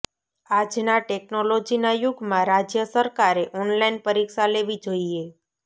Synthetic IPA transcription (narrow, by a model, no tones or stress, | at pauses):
ad͡ʒnaʈeknolod͡ʒinajuɡmãɾad͡ʒjəsəɾkaɾeʔɔnlainpəɾikʃaleʋid͡ʒoie